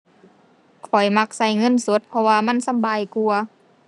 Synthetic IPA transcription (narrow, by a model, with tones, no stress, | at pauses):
kʰɔ˨˩jma˧k̚sa˧˩jŋɤ˧˥˨nso˨˦t̪̚pʰɔ˧waː˧ma˧˥˨nsa˧˨mbaː˨jku˧ɐ